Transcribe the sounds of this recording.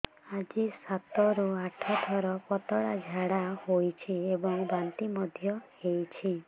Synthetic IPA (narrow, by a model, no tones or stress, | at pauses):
ad͡ʒisat̪ɔɾuaʈʰɔt̪ʰɔɾɔpɔt̪ɔɽad͡ʒʱaɽahojt͡ʃʰiebɔŋbant̪imɔd̪ʱjɔhejt͡ʃʰi